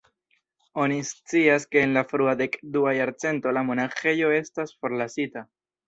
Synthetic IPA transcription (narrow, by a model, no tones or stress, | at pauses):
o̞nist͡siaske̞ːnlafɾuade̞kduajaɾt͡se̞nto̞lamo̞naxe̞jo̞e̞stasfo̞ɾlasita